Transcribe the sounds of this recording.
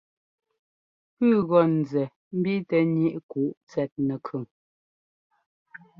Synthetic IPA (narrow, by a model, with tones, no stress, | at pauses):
pʉ˦˨ɣɔ˨n̩˨zɛ˨ | m̩˦bi˦tɛ˨ni˦˨ʔku˨ʔt͡sɛ˨t̚nɛ˨kʰʉ˨ŋ